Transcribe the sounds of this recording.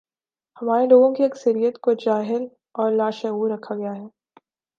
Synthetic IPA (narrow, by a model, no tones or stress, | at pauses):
hɐmaːɾeloːɡõkiɐksəɾijət̪kod͡ʒaːɦɪl | ɔːɾlaːʃɛuːɾɐkʰaɡɐjaɦɛː